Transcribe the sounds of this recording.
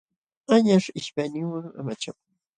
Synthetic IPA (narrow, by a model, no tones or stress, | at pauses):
aɲaʂɪʃpajnɪŋwaŋa̰mat͡ʃak